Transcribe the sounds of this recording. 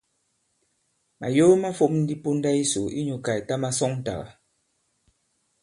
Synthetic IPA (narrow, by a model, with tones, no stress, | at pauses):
ma̰˨jo˦ma˦fo˦˨p̚n̩˦di˦po˦n˦da˦i˦so˨ḭ˦ɲu˨ka˨ta˦ma˦sɔ˦ŋn̩˦ta̰˨ɣa̰˨